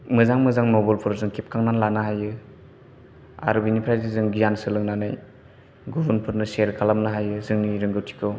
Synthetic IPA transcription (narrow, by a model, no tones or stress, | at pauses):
mɯzaŋmɯzaŋnobɔlpʰɯɾzɯŋkʰip̚kʰaŋnanlanaɦajɯ | a̰ɾɯbinipʰɾajzizɯŋɡijansɯlɯŋnanaj | ɡubɯnpʰɯɾnɯseɾkʰalamnaɦajɯzɯŋniɾɯŋɡɯp̚tʰi̥kʰɯw